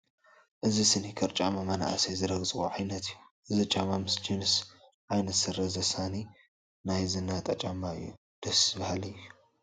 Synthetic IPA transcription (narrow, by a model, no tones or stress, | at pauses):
ʔɨzisɨnikʰɐɾt͡ʃʼamamana̰ʔsezɨɾɐɡzʼɨxṵʕajnɐt̪ʰɨjːuʔɨzit͡ʃʼamamɨsd͡ʒins | ʕajnɐt̪sɨɾɐzɐsani | najzɨnːat̪ʼɐt͡ʃʼama̰ju | d̪̥ɐsbahalɨjːu